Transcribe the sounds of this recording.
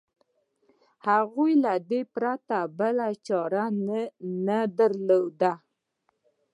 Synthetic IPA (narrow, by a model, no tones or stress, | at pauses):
haɣujlad̪epɾat̪abəlat͡ʃɑɾananad̪əɾlowd̪a